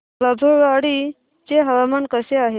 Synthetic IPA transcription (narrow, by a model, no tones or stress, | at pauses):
babʱoʋaɽi | t͡seɦəʋamankəseaɦe